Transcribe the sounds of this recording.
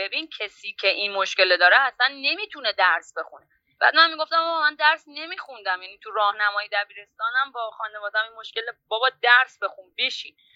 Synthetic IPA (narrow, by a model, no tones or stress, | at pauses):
be̞bincʰesiːcʰe̞ʔinmoʃce̞led̪ɒːɾeæsænːe̞miːt̪ʰune̞d̪æɾsbe̞xune̞ | b̥æ̰ːd̪mænmiːɡo̞ft̪æmɒbmænd̪æɾsne̞miːxund̪æmjæniːt̪ʰurɒːhnæmɒːjid̪æbiːɾe̞st̪ɒːnæmbɒːxɒːnevɒːd̪æminmo̞ʃkʲe̞lebɒːbɒːd̪æɾsbe̞xunbeʃḭːn